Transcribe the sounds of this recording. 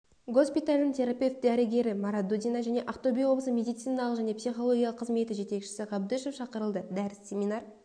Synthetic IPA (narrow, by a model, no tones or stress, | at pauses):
ɡo̞spʲit̪alʲd̪ɪntʲʰe̞ɾapʲe̞ft̪̚d̪æɾɪɡʲe̞ɾɪmɑɾat̪̚d̪ud̪ʲijnaʒæne̞ʔaft̪obʲijwo̞bˠəsəmʲe̞d̪ijt̪sijnɑlˠəqʒæne̞psijχo̞lˠoɡʲijɑlˠəqʰːəzme̞t̪ɪʒe̞t̪e̞kʃɪ̥sɪʁɑbd̪ɪʃefʃɑqəɾəlˠd̪əd̪æɾɪssʲe̞mʲinɑr